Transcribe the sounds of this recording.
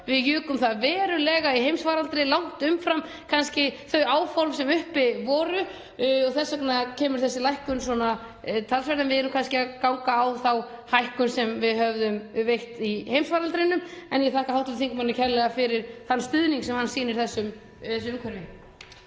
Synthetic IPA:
vɪðjʏːkʏmθaðvɛːɾʏlɛːɣaiɦejmsfaːɾalt̪ɾɪlawŋ̥t̪ʏmfɾam | kʰanscɪθœɥaːwfɔɾmsɛmʏhpɪvɔːɾʏ | ɔθɛsːaknacʰɛːmʏɾ̥θɛsːɪlajhkʏns̬wɔna | t̪ʰalsvɛɾt̪anvɪðɛɾʏmkʰanscɪakawŋkaːwθaw | hajhkʏnsɛmvɪðhœvðʏmvejht̪ihejmsvaːɾalt̪ɾɪnːʏmɛnjɛθaːhkahawht̪ʏθiŋkʏmanːɪcʰɛɾlɛɣafɪɾɪɾ̥θanːst̪ʏðniŋksɛmhanːsiːnɪɾ̥θɛsːʏm | ɛsʏʏmkʰɛɾvɪ

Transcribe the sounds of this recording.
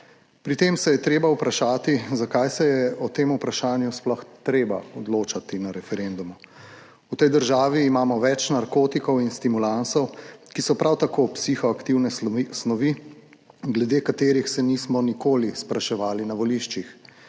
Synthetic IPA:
pɾit̪eːmsɛjɛt̪ɾeːbaupɾaʃaːt̪izakajsɛjɛɔt̪eːmupɾaʃaːnjusplɔxt̪ɾeːba̰ɔd̪loːt͡ʃat̪inaɾɛfɛɾeːnd̪umu | ut̪ɛjd̪əɾʒaːʋiːmaːmɔʋɛt͡ʃnaɾkoːt̪ikɔwinst̪imulansɔwkisɔpɾʔawt̪akoːpsixɔakt̪iwnɛsnɔʋi | ɡlɛd̪eːkat̪eːɾixsɛnismɔnikoːlispɾaʃɛʋaːlinaʋɔliʃt͡ʃix

